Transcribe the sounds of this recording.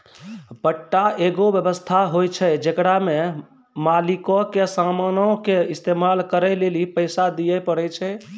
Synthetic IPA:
bəʈːaʔeɡobjəbəst̪ʰaɦojt͡ʃʰɛd͡ʒekɽame | malikɔkesamanɔkeist̪emalkəɾɛjlelipəɪsad̪ijɛpəɽɛt͡ʃʰɛ

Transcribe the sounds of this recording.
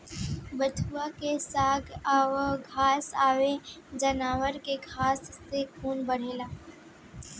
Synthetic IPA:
bət̪ʰuakesaːɡaʋɡʱaːsaːʋed͡ʒɐnaːʋəɾkeɡʱaːsːekʰuːnbəɽ̤eːlaː

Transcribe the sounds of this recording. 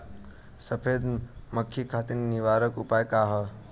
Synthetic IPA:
səpʰed̪məkʰːjikʰat̪inniʋaɾəkupajkaɦə

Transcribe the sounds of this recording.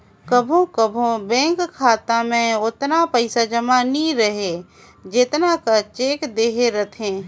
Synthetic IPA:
kəbʱõkəbʱõbɛ̃ːŋkkʰːaːt̪amẽʊt̪napəɪsad͡ʒəmanĩɾəɦe | d͡ʒɪt̪nakat͡ʃeːkd̪eːɦeɾɐt̪ʰẽː

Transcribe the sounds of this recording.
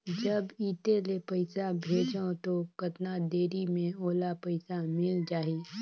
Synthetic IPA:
d͡ʒɐbiːt̪elepɐɪsabʱeːd͡ʒõt̪okɐt̪nad̪eːɾimẽoːlapɐɪsamɪld͡ʒaːɦeː

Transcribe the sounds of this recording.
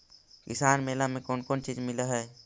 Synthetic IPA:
kɪsaːnmeːlamẽkoːnkoːnt͡ʃiːd͡ʒmɪləɦɛː

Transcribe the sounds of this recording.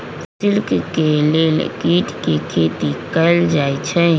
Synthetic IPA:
sɪlkkelḛkiːʈkikʰeːt̪ikəld͡ʒaːit͡ʃʰɛː

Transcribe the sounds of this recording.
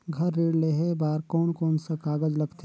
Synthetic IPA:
ɡʱɐɾːiːɽleɦebaːɾkɔːnkɔːnsakaːɡəd͡ʒlɐɡt̪ʰe

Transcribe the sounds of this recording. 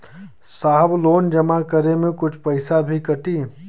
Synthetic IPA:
saːɦbloːnd͡ʒɐmakəɾemẽkʊt͡ʃʰpɐɪsabʱikɐʈiː

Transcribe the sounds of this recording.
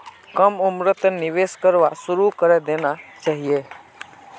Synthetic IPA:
kəmumɾət̪niʋeskəɾʋasuɾukəɾɛd̪enat͡ʃaɦije

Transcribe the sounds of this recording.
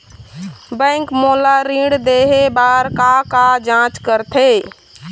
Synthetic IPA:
bə̃ŋkmolaɾĩɽd̪eɦebaɾkakad͡ʒãt͡ʃkəɾt̪ʰe

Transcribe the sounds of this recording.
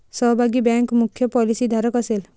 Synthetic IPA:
sɔɦbʱaɡibɛŋkmukʰːjɔpɔlisid̪ʱaɾɔkɔsel

